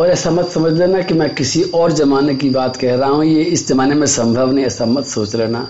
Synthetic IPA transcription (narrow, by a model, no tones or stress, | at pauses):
ɔːɾɛːsamɐt̪sɐməd͡ʒɾeːnakimɛ̃kɪsiʔɔːɾd͡ʒɐmaːnekibaːt̪kɛɦɾaɦaɦũjeɪsd͡ʒɐmaːnemẽsɐ̃mbʱəʋneɛːsamɐt̪soːt͡ʃɾɛːnaː